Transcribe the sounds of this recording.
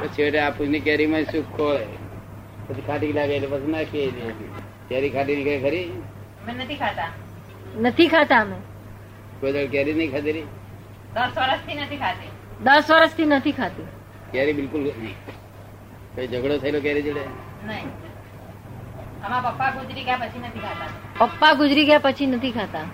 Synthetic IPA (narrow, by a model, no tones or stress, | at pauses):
pət͡ʃʰiəʈeaːpʰusnikɛːɾimãsukʰːoːe | pət͡ʃʰikʰaːʈ̬ilaːɡalipət͡ʃʰinakʰiəliatḭ | kɛːɾikʰaːʈ̬inikʰəɾikʰəɾi | menət̪ʰikʰat̪a | nət̪ʰikʰat̪aəme | koːid̪əɽkɛɾinəĩkʰat̪eɾiː | d̪əsʋəɾəst̪ʰinət̪ʰikʰat̪e | d̪əsʋəɾəst̪ʰinət̪ʰikʰat̪i | kjaːɾibɪlkʊlnəĩː | koid͡ʒəɡɽot̪ʰəilok̬jaːɾid͡ʒəɽe | nəɦĩ | əmãpɐpːaɡʊd͡ʒɾiɡəjapət͡ʃʰinət̪ʰikʰat̪aepəpːaɡʊd͡ʒɾiɡəjapət͡ʃʰinət̪ʰikʰat̪a